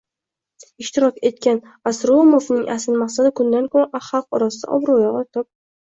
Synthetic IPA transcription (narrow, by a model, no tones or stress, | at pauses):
ɪʃt̪ɪɾɒkʲe̞t̪̚kʲan | asɾomo̞vnɪŋʔa̰sɪnmaqsad̪ɪkʰʊnd̪ankʰoɾaʔaχɑlˠqɒɾɒsɪd̪a̰ʔɒ̰bɾojɒʁɑt̪ʰɒp̚